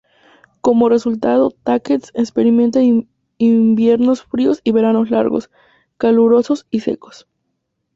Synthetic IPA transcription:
ko̞mo̞re̞sult̪aðo̞t̪aket̪sekspeɾimẽ̞nt̪a | imbje̞ɾno̞sfɾiosiβe̞ɾano̞sla̰ɾɣo̰s | kaluɾo̞sosise̞̰ko̥s

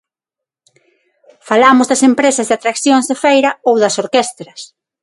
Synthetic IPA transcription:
falamʊzðɐsempɾesɐzðat̪ɾakθjoŋzðefejɾɐowðɐsoɾkest̪ɾɐs

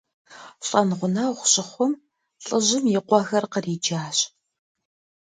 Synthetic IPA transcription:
ɬʼɐnʁʷʊnawχʷʊɕʼɪχʷʊm | ɬʼɨʑɪmjɪqʷɔxɐrqəriːd͡ʒaːɕʼ

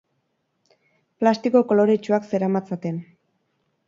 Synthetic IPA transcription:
plast̪ikoko̞lo̞ɾet͡ʃuakse̞ɾamat͡sat̪e̞n

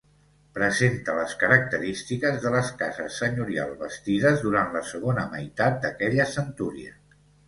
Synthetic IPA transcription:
pɾəzent̪ələskəɾək̚t̪əɾist̪ikəzðələskazəsːəɲuɾia̰lˠβəst̪iðəzðuɾant̪ləsəɣ̞onəməjt̪at̪̚d̪əkɛʎəsənt̪uɾiə̰

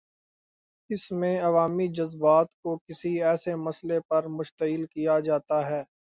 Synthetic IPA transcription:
ɪsmẽɐʋaːmid͡ʒɐzbaːt̪kokɪsiɛːsemɐslepɐɾmʊʃt̪əɪlkijad͡ʒaːt̪aɦɛː

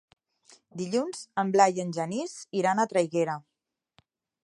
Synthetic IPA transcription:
d̪iʎunz̥əmblajənʲʒəniziɾanat̪ɾəjɣeɾə

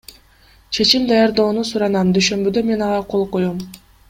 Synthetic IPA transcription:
t͡ʃʰe̞t͡ʃimd̪ɑjɑɾd̪o̞ːnusuɾɑnɑmd̪yʃø̞mbyd̪ø̞me̞nɑʁɑqʰo̞lˠqojom

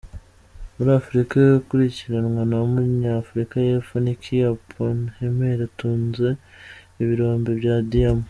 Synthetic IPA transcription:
muɾafuɾikaukuɾiciɾanŋwanamuɾɲafuɾikajefonikʰijapʰonemheɾatuːnzeː | βiɾo̞ːmbeβjadijamu

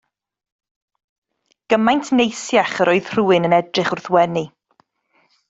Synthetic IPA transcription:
ɡ̥əmajntʰnejsjaχəɾʔɔɨð̥r̥uːɪnənɛdrɪχʊrθwɛni

